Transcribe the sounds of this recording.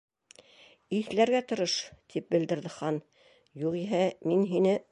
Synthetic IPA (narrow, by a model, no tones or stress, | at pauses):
iθlæɾɡæt̪ŏɾɤʃt̪ʰip̚bɘ̆ld̪ɘ̆ɾðɘχɑn | juʁiɦæminɦinɘ